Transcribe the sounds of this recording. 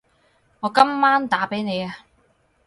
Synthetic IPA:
ŋɔː˨˧kɐ˥mːaː˥nt̪aː˨˥pe˨˥jne˨˧ja˨

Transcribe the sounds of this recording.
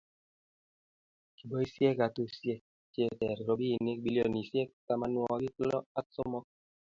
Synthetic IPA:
ki˨bɔ˦i˦sje˦ka˨tu˦sje˦ | t͡ʃje˦tɛ˨ɾɾo˨bi˦i˨ne˦k̚bi˦ljo˦ni˨se˦kka˦ma˨˦nwɔ˦ɡɪ˦klɔ˦a˦sɔ˦mɔ˦k̚

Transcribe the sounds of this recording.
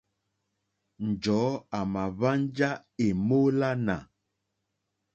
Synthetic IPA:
n̩˨d͡ʒɔ˨˦a˨ma˨βa˦n˦d͡ʒa˦e˨mo˦la˦na˨

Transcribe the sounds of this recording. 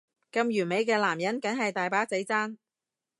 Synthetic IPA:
kɐ˧mjyː˨˩me˨˧jk̬ɛː˧laː˨˩mjɐ˨˥nkɐ˨˥ŋɦɐ˨jt̪aː˨jpaː˨˥t͡se˨˥jt͡saː˥n

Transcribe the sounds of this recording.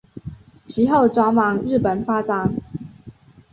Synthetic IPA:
t͡ɕʰi˧˥xo˥˨ʊʈ͡ʂwa˥mɑ˨˧˦ŋɻ̩˥˩pə˨˩nfa˥t͡sa˨˧˦ŋ

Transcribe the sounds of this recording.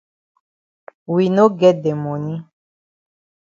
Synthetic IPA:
wi˨nõ˦ɡɛ˦dɛ˨mɔ̃˨nĩ˦

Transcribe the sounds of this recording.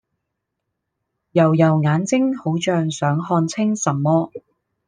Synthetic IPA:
jɐ˨˩wjɐ˨˩wŋaː˨˥nt͡sɪ˥ŋho˨˥wt͡ʃœː˧ŋsœː˨˥ŋhɔː˧nt͡sʰɪ˥ŋsɐ˨˩mːɔː˥

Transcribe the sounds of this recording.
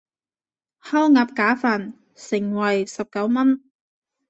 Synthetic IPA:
hɐ˥wŋaː˨˧p̚kaː˨˥faː˨˩n | sɪ˨˩ŋwɐ˨˩jsɐ˨p̚kɐ˨˥wmɐ˥n

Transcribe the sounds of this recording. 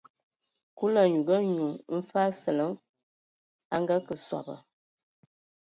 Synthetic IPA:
ku˦la˨ɲu˨ɡə˦ɲu˨m̩˦fa˦sə˨lə˦ŋ | a˦ŋ˦ɡa˦kə˨swa̰˨bə̰˨

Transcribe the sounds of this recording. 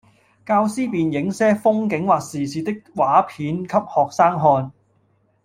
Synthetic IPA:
kaː˧wsiː˥piː˨njɪ˨˥ŋsɛː˥fʊ˥ŋkɪ˨˥ŋwaː˨k̚siː˨˩siː˨˧t̪ɪ˥k̚waː˨˥pʰiː˨˥nkʰɐ˥p̚hɔː˨k̚saː˥ŋɦɔː˧n

